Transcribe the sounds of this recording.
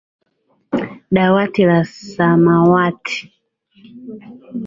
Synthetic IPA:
ɗawatilasamawatʰi̥

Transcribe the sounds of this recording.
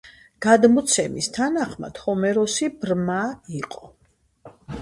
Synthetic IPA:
ɡ̥ad̪mɔt̪sʰɛmḭst̪ʰanaχma̰d̪̥hɔmɛɾɔsibɾmaiqʼɔ

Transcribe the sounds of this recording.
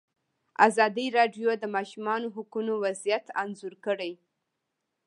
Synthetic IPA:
a̰zɑd̪iɾɑɖjod̪əmɑʃumɑnoɦʊkunowazijat̪anzuɾkəɽaj

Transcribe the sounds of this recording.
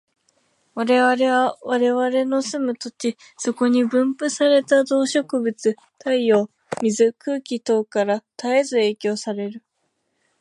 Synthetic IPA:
βaɾe̞βaɾe̞βaβaɾe̞βaɾe̞no̞sɨmɯ̟t̪o̞t͡ɕi | so̞ko̞ɲ̟ibɯ̟̃mpɯ̟saɾe̞t̪ad̪o̞ːɕo̞kɯ̟bɯ̟t͡sɨ | t̪aio̞ː | mʲizɨkɯ̟ːkʲit̪o̞ːkaɾat̪ae̞zɨe̞ːkʲo̞ːsaɾe̞ɾɯ̟

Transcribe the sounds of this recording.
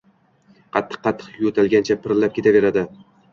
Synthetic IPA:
qʰɑt̪ʰːɨ̥qʰːɑt̪ʰːɨ̥qjot̪ʰalˠɡʲant͡ʃʰapʰɪɾlap̚kʲʰe̞t̪ʰave̞ɾad̪ɪ

